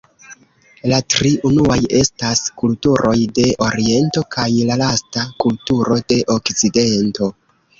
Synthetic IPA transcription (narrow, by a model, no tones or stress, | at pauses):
latɾiʔunuaje̞staskultuɾʔo̞jde̞ʔo̞ɾie̞nto̞kajlalastakultuɾo̞de̞ʔo̞kt͡side̞nto̞